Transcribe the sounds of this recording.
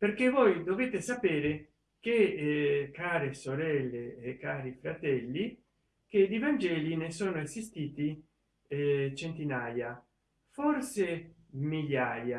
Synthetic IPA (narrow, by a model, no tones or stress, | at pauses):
perkevojd̪oveːt̪esapeːɾe | ke | kaːɾesoɾɛlːeːkːaːɾifɾat̪ɛlːi | ked̪ivand͡ʒɛːlinesoːnoezist̪iːt̪i | t͡ʃent̪inaːja | forse | miʎːaːja